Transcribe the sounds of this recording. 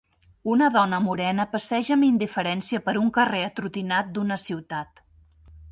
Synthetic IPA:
unəðɔnəmuɾɛnəpəsɛʒəmind̪ifəɾɛnsiəpəɾuŋkəreət̪ɾut̪inat̪̚d̪unəsiwt̪at̪

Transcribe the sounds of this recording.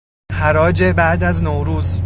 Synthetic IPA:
hæɾɒːd͡ʒebæʔd̪æznoɾuːz

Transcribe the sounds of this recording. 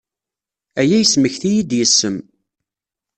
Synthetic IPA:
æjæjəsməçθijid̪jəsːəm

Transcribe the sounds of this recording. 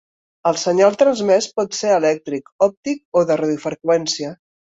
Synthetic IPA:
əlˠsəɲalˠt̪ɾənzmɛspɔt̪seɾəlɛk̚t̪ɾikɔp̚t̪ik̚oðərəðifəɾkwɛnsiə

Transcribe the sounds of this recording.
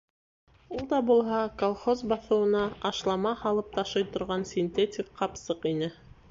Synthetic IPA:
ulˠd̪ɑbulˠɦɑkolˠχozbɑθɤ̆wɤ̆nɑɑʃlˠɑmɑhɑlˠɤp̚t̪ʰɑʃɤjt̪ŏɾʁɑnsʲinʲt̪ʲetʲikqɑpsɤqinɘ

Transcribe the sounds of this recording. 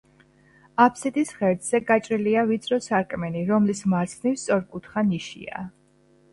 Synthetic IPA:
apʰsit̪ʼisχɛɾd̪z̥ɛɡat͡ʃʼɾiliavit̪sʰʼɾɔsaɾkʼmɛniɾɔmlismaɾt̪sʰnifst̪sʼɔɾkʼut̪ʰχaniʃḭa̰

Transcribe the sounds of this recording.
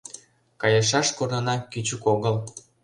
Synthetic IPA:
kɑjɤʃ̬ɑʃkornɤ̆nɑkyt͡ɕukoɣəl

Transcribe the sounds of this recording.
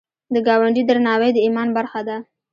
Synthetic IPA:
d̪əɡɑwaɳɖid̪ɾanɑwejd̪əimɑnbaɾxad̪a

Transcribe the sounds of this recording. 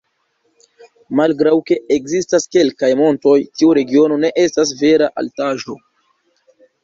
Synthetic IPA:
malɡɾawke̞ekzistaske̞lkajmo̞nto̞jtiuɾe̞ɡio̞no̞ne̞ʔe̞stas̬ve̞ɾaʔa̰ltaʒo̞

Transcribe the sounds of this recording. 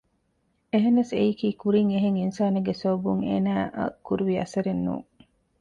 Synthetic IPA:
eɦenːɐseikiːkuɾiŋeɦeŋinsaːneɡesoːbuŋḛːnæːʔɐ̰kuɾuʋiɐ̰sɐɾenːṵː

